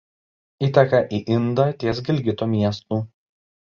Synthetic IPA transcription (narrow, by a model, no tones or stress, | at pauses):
iːt̪ʲɛkɐʔiʔɪnd̪ɑt̪ʲiɛs̬ɡʲɪlʲɡʲɪt̪oːmʲiɛst̪uː